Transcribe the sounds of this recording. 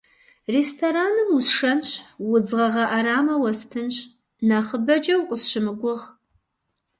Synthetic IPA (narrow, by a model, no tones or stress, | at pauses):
reːstʰoɾaːnɨmusʂɐnɕwʊd͡zʁɐʁɐʔaɾaːmɐwɐstʰɨnɕ | naːχəbɐd͡ʒɐwqʷʼəsɕɨmɨɡʷʊʁ